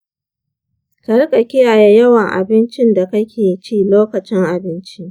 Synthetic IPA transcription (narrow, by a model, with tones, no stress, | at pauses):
kɐ˨ɽkʼɐ˨kʲɪ˦ja˨ja˦jɐ˦wɐ˨ŋʔa̰˨bɪ˦nt͡ʃɪ˦nda˨kɐ˦kʲʰeː˨t͡ʃiː˦˨loː˦kɐ˨t͡ʃɪ˦ŋʔa˨bɪ˦nt͡ʃi˦ʔ